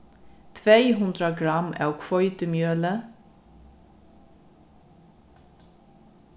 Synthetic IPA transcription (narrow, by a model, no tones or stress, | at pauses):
t̪ʰʋeɪɦʉnd̪ɾəɡɹɑmæ̰ːokʰʋɔʏt̪əmjøːlə